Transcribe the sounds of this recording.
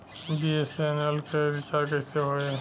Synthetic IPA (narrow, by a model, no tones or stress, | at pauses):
biesenelkeɾɪt͡ʃaɾkɛseɦoe